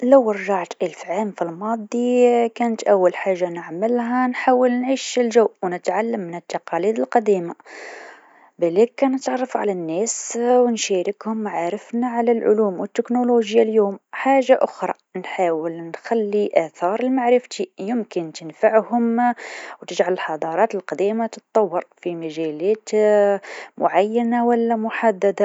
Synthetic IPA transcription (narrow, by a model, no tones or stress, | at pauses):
ləwɾˤʒɑʕt̪ʔəlfʕamfilmɑd̪ˤikænət̪ʔæwːəlħaʒːanəʕməlɦænħaːwəlnʕiːʃəlʒəwʔwnət̪ʕalːəmːənət̪ːɑqɑliːd̪əlqɑd̪iːma | bælikːænət̪ʕɑrˤːɑfʕa̰lænːæswnʃæɾəkhʊmːʕaɾəfnaʕalælʕʊ̰luːmwət̪ːɪknoloʒjaljuːmħaʒːaʔʊxɾˤɑ̰ | nħaːwəlnxælːiʔæθɑɾˤəlmaʕɾəft̪ijəmkənt̪ənfaʕhʊmwt̪əʒʕaləlħɑd̪ˤɑɾˤɑːt̪əlqɑd̪imat̪ət̪̚ˤːɑwːɑɾfimæʒælæt̪ | mʊʕajːanawəlːæmʊħad̪ːæd̪a